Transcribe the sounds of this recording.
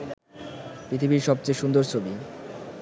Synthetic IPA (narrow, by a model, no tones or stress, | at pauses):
pɾit̪ʰibiɾʃɔb̚t͡ɕeʃund̪oɾt͡ɕʰobi